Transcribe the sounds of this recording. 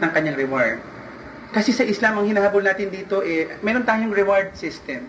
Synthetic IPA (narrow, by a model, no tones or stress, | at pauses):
nɐŋkɐɲːaŋɾɛwaɹd̪̚ | kɐsɛsɐʔɪslamɐŋhɪnaːhabʊlnaːt̪ɪnd̪iːt̪o̞ʔɛmɛːɾont̪aːjʊŋɾɛwaɹd̪̚sɪst̪ɛm